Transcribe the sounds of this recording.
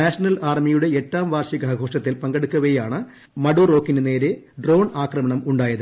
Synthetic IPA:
aːʂɐnɐlaːrmijuɽe̞etːaːmʋaːrɕiɡʱɐɡʱo̞ːʂɐt̪ːilpɐŋɡɐɽukːɐʋɐjaːɳɨ | mɐɽuro̞ːkːinɨne̞ːɾeɖro̞ːɳaːkrɐmɐɳɐmuɳɖaːjɐðɨ

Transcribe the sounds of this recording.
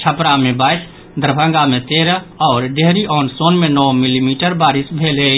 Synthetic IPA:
t͡ʃʰəpɾamẽbaːɪs | d̪əɾbʱə̃ŋɡamẽt̪eːɾəɔːɾɖeɦɾiʔɔːnsoːnmẽnɔːmilimiːʈəɾbaːɾɪsbʱeːle

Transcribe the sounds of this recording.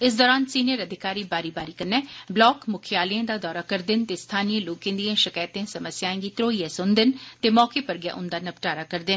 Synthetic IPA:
ɪs̬d̪ɔːɾaːnsiːnijəɾəd̪ʱɪkaːɾiːbaːɾiːbaːɾiːkənːɛːblɔːkmʊkʰɪjaːliãːd̪aːd̪ɔːɾaːkəɾd̪ɪnt̪eːst̪ʰaːnijẽːloːkẽːd̪iãːʃəkaːt̪ẽːsəməsjaːẽːŋɡiːt̪ɾoːiːẽːsʊnd̪ɪnt̪eːmɔːkeːpəɾɡɪja̰ːʔʊnd̪aːnəpʈaːɾaːkəɾd̪ɪn

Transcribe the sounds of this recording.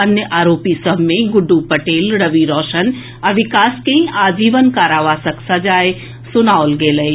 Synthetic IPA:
ɐnjəʔaːɾoːpisəbʱmẽɡʊɖːupɐʈeːlɾəʋiɾɔːʃən | ɐʋɪkaːskẽaːd͡ʒiːʋənkaːɾaːʋaːsəksɐd͡ʒaːe | sʊnaːolɡeːləe

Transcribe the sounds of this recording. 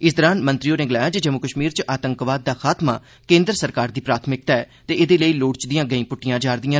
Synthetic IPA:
ɪsd̪ɔːɾaːnmə̃nt̪ɾɪoːneːɡɪlaːjaːd͡ʒəd͡ʒəmːuːkəʃmiːɾt͡ʃʔaːt̪ə̃ŋkʋaːd̪̚ːaːxʰaːt̪ma̰ː | kẽːnd̪ɾsəɾkaːɾd̪iːpɾaːt̪ʰmɪk̚t̪aɛ | t̪eːʔɪd̪eːləiːloːɽt͡ʃd̪ɪjãːɡəĩːpʊʈːɪjãːd͡ʒaːɾd̪ɪjãː

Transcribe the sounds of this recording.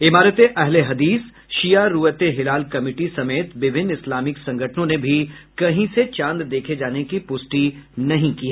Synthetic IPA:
ɪmaːɾət̪eʔɛɦleɦɐd̪iːs | ʃijaɾuːət̪eɦɪlaːlkɐmɪːʈisɐmeːt̪ʋɪbʱɪnːɪslaːmɪksɐ̃ŋɡʱəʈʰnõnebʱikɐɦĩset͡ʃãːnd̪d̪eːkʰed͡ʒaːnekipʊsʈinɐɦĩkiːɦɛː

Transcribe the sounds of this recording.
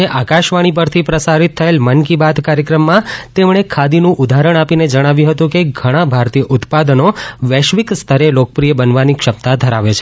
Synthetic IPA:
eʔakaʃʋaɽ̃ipəɾt̪ʰipɾəsaɾit̪ʰːəelmənkibad̪kaɾjəkɾəmːãt̪emɳ̃ekʰad̪inũʔʊd̪ʱaɾəɳ̃apined͡ʒəɽ̃aʋjũɦət̪ũkeɡʱəɽ̃ãbʱaɾt̪ijəʔʊt̪pad̪noʋɛʃʋikst̪ʰəɾelokəpɾijəbənʋanikʃəp̚t̪ad̪ʱəɾaʋet͡ʃʰe̥

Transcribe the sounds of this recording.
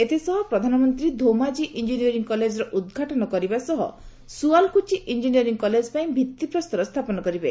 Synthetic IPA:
et̪ʰisɔɦɔpɾɔd̪ʱanɔmɔnt̪ɾid̪ʱomad͡ʒiʔind͡ʒiniɔɾiŋkɔled͡ʒɔɾɔʔud̪ɡʱaʈɔnɔkɔɾibasɔɦɔ̰ | sualkut͡ʃiʔind͡ʒiniɔɾiŋɡkɔled͡ʒpaĩbʱit̪ːipɾɔst̪ɔɾɔst̪ʰapɔnɔkɔɾibe

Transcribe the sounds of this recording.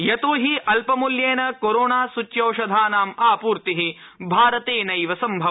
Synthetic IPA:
jɐt̪uːɦiʔɐlpɐmuljeːnɐkoɾoːnaːsut͡ʃːjɐːʃɐd̪ʱaːnaːmaːpuːɾt̪iɦi | bʱaːɾɐt̪eːnɐjʋɐsɐmbʱɐ

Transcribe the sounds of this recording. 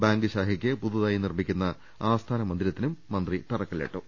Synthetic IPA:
baːŋɡɨɕaːɦikʲːɨpuðuðaːjinirmikʲːunːɐ | aːst̪ʰaːnɐmɐnd̪ilɐt̪ːinumːɐnd̪rit̪ɐrɐkːɐɭḛʈːṵ

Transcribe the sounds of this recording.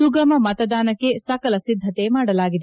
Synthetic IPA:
suɡɐmɐmɐt̪ɐd̪aːnɐkːe̞sɐkɐlɐsid̪ʱːɐt̪e̞maːɽɐlaːɡid̪e

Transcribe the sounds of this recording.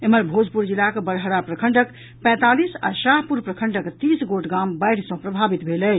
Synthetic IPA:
eməɾbʱod͡ʒpuɾd͡ʒilːakebəɾɦəɾapɾəkʰəɳɖək | pɛ̃t̪alisa̰ʃaɦpuɾpɾəkʰəɳɖəkt̪isɡoʈɡambəjɽ̤sə̃pɾəbʱabit̪bʱelɛt͡ʃʰ

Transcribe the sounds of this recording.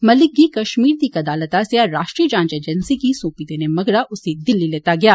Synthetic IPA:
mɐlɪk̚ɡikɐʃmiːɾd̪ikɐd̪aːlət̪aseaɾaːʃʈɾiəd͡ʒãːɲd͡ʒeːd͡ʒənsikisõːpid̪eːnemɐɡɾaʔʊsed̪ɪlːileːt̪aɡɐjaː

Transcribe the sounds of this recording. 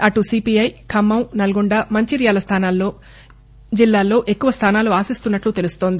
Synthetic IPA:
ɐʈusiːpijɐjkʰɐmːɐmnɐlɐɡuɳɖaːmɐɲt͡ʃiɾjaːlɐst̪ʰaːnaːlːoː | d͡ʒilːaːlo̞ːʔe̞kːuʋɐst̪ʰaːnaːluaːsist̪unːɐʈlut̪e̞lust̪oːnd̪i

